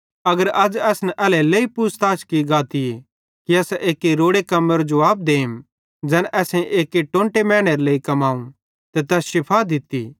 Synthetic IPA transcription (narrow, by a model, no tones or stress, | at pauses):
ɐɡəɾɐd͡ʒɛːsnɛʔɛːlɛleːipust̪aːt͡ʃkiɡaːt̪ije | kiɐsʔeːkːeɾoːɽekɐməɾd͡ʒoaːb̚d̪eːɪm | d͡ʒɛːnʔɛːsẽʔeːkeʈõːɳʈemɛːɽ̃eɾleːikɐmaːũ | t̪et̪ɛsʃɪpʰad̪ɪt̪ḭ